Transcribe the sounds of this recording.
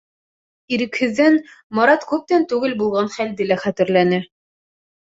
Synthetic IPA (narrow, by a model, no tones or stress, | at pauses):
iɾɘ̆khɘ̆ðːænmɑɾɑt̪kʉp̚t̪ænt̪ʉɡɘlbulˠʁɑnχæld̪ɘlæχæt̪ɘ̆ɾlænɘ